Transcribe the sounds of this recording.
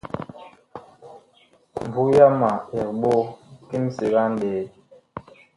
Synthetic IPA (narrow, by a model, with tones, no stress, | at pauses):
m˨bu˦ja˦ma˨ɛ˨k̚ɓo˦ki˦msi˨ɣa˦n˦de˨